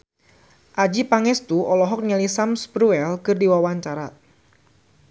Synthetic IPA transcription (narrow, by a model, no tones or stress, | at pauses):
ʔad͡ʒipaŋɛst̪uʔɔlɔɦɔk̚ɲalisamsbɾuɛlkɨrdiwawaɲt͡ʃaɾa